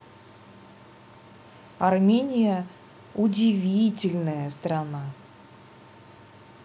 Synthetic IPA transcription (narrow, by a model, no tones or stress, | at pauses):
ɐrmʲenʲɪjə | ʊdʲɪvʲitʲɪlʲnəjəst̪rana